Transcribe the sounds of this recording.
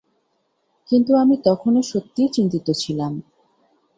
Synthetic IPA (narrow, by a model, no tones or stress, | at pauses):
kint̪uamit̪ɔkʰonoʃot̪ːiet͡ɕint̪it̪ot͡ɕʰilam